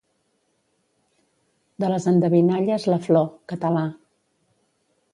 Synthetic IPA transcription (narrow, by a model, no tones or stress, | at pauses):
d̪ələzənd̪əβinaʎəzləflɔkət̪əla